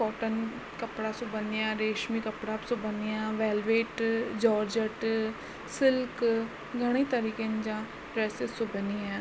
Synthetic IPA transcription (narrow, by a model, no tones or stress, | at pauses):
kɔːʈən | kəpɽaːsʊbənɪjãːɾeːʃmiːkəpɽaːpsʊbənijãːʋɛːlʋeːʈd͡ʒɔːɾd͡ʒəʈ | sɪlk | ɡəɽ̃eːt̪əɾiːkend͡ʒãː | ɖɾɛːsɪzsʊbəniːɛ̃ː